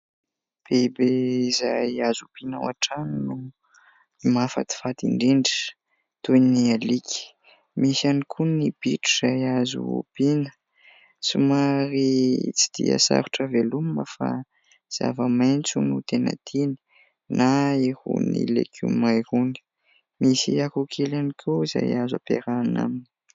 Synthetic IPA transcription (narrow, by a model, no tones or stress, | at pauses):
b̥ebeizajazupinaw̰aʈ͡ʂannu | imafa̰t̪i̥fat̪iɳɖ͡ʐiɳɖ͡ʐi̥ | t̪ujnialikʲi̥ | misanikʰunib̥iʈ͡ʂuz̥ajazṵṵpinə̥ | sumaɾit͡si̥d̪̥ḭa̰sa̰ɾuʈ͡ʂəveluməfa̰ | z̥a̰vəmajnt͡sunut̪enə̰t̪ini̥ | naehṵnḭlḛkʰʲumajhuni̥ | misiakukʰelanikʰuza̰jaza̰pḛɾana̰mini̥